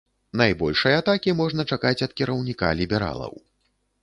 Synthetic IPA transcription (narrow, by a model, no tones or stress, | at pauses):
najbɔlʲʂɐjɐat̪akʲimɔʐn̪ɐt͡ʂakat͡sʲɐt̪kʲɛɾɐwnʲika̰lʲibʲɛɾa̰lˠɐ̰w